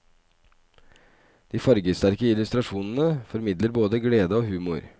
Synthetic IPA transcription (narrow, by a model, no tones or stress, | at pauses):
d̪̥iːfɑɾɡəst̪æɾkəɪlʉst̪ɾɑʂuːnn̩əfɔɾmɪd̪ləɾboːd̪əɡleːd̪əoːhʉːmʊ̰ɾ